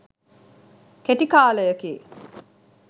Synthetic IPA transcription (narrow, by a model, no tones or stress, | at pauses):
keʈikaːləjəkiː